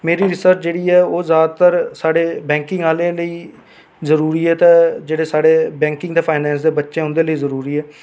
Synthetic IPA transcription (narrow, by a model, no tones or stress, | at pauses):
meːɾiːɾɪsəɾt͡ʃd͡ʒeːɽiːɛːoːzjaːd̪t̪əɾsaːɽeːbɛ̃ːŋkɪ̃ŋɡaːleːləiː | zəɾuːɾiːɛːt̪ẽːd͡ʒeːɽeːsaːɽeːbɛ̃ːŋkɪ̃ŋɡd̪eːpʰaːɪnɛ̃ːns̬d̪eːbətːʃẽːʊ̃nd̪eːləiːzəɾuːɾiːɛː